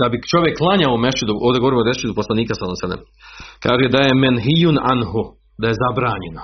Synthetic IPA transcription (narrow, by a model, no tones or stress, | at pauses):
d̪̥abit͡ʃo̞ʋjekːlˠaɲaomeʃt͡ʃid̪uʔoːʋd̪eɡooɾimod̪eʃid̪uposlaniːkasanomsed̪ḛm | kaːʒed̪ajemenɦijuna̰nɦu | d̪ajezabɾaːɲeno